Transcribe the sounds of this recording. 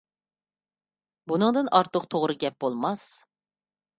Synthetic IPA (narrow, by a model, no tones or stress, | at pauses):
bunɨŋd̪ɨnʔɑɾt̪ʰəqt̪ʰoʁɾɨɡʲɛp̚bolˠmɑs